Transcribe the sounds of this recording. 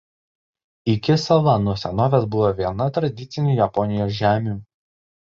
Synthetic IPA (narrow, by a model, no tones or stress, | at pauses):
ɪkʲɪsɐlˠɐnʊsʲɛnoːʋʲesbʊʋoʋʲiɛnɐt̪ɾɐd̪ʲɪt̪sʲɪnʲuːˑjɛpɔnʲɪjoːs̬ʒʲæːmʲuː